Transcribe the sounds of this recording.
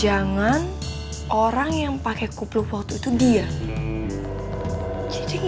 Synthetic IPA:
d͡ʒaŋan | ʔoɾaŋjaŋpakɛkupluhwak̚t̪uit̪udia | t͡ʃit͡ʃiŋ

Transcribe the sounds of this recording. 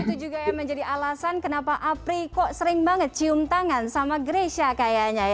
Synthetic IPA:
it̪ud͡ʒuɡajaŋməɲd͡ʒadiʔalasankənapaʔapɾikɔʔsəɾɪŋbaŋət̪̚t͡ʃiʊmt̪aŋansamaɡəɾesiakajaʔɲaj

